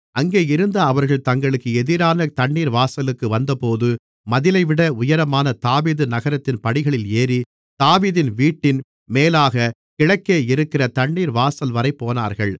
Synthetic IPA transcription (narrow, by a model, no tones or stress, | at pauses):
ɐŋɡeːɪɾɯnd̪ɐːʋɐɾɣɐɭt̪ɐŋɡɐɭɯkːɯɛðɪɾaːnɐt̪ɐɳːiːɾʋaːsɐlɯkːɯʋɐnd̪ɐpoːðɯ | mɐðɪlɐɪʋɪɽɐʊjɐɾɐmaːnɐt̪aːʋiːðɯnɐɣɐɾɐt̪ːɪnpɐɽɪɣɐɭɪleːri | t̪aːʋiːðɪnʋiːʈːɪn | meːlaːɣɐ | kɪɭɐkːeːɪɾɯkːɪrɐt̪ɐɳːiːɾʋaːsɐlʋɐɾɐɪpːoːna̰ːɾɣɐɭ